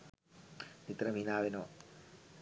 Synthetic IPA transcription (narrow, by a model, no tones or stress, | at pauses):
nit̪ɾɐminaːʋinoː